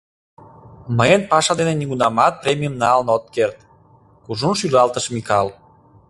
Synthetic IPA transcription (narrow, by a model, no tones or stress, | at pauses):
məjənpɑʃɑd̪eneniɣunɑmɑt̪̚pɾemʲijəmnɑlnot̪̚kert̪ | kuʒunʃylɑlt̪əʃmikɑl